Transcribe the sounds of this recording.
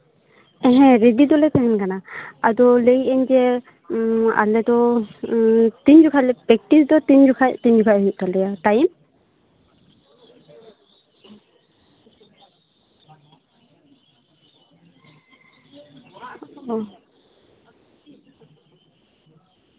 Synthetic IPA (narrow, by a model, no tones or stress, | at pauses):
ɛɦɛ̃ɾedid̪ɔlɛt̪ɛɦɛnkanaad̪ɔlejɛɲd͡ʒɛ | a̰lɛd̪ɔ | t̪iɲd͡ʒukʰalɛpɛk̚tisd̪ɔt̪iɲd͡ʒukʰat̪iɲd͡ʒukʰaɦuʔ̚t̪alɛjat̪ajim